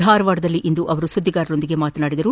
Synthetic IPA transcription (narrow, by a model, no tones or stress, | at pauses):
aːɾɐʋaːɽɐd̪ɐlːiʔind̪uʔɐʋɐɾusud̪ʱːiɡaːɾɐɾo̞nd̪iɡe̞maːt̪ɐnaːɽid̪ɐɾu